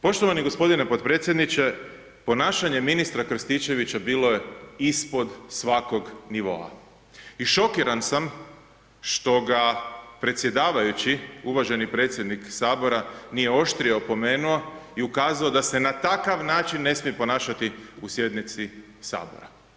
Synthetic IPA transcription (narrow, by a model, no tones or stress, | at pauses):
po̞ʃt̪o̞ʋaniɡo̞spo̞d̪inepo̞t̪pɾe̞ːt̪sjed̪nit͡ɕe̞ | po̞naːʃaɲe̞minist̪ɾakr̩st̪it͡ɕe̞ʋit͡ɕabiːlo̞je̞ispo̞d̪sʋako̞ɡniʋo̞̰a̰ | iʃo̞kiɾansam | ʃt̪o̞ɡapɾe̞t̪sje̞d̪aːʋajut͡ɕiuʋaʒe̞nipɾe̞ːt̪sje̞d̪niksaːbo̞ɾanije̞o̞ʃt̪ɾiopo̞me̞ːnuoiukaːzao̞d̪ase̞nat̪akaʋnaːt͡ʃinːe̞smiepo̞naːʃat̪iusje̞d̪nit̪si | sa̰ːbo̞̰ɾa